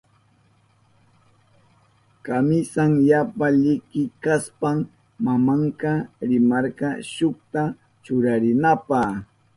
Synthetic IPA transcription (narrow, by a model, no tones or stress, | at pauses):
kamɪsaŋjapaʎɪkɪkaspam | mamɑɴqɑɾɪmɑɾɢɑʃʊχt̪a | t͡ʃʊɾaɾɪnapɑ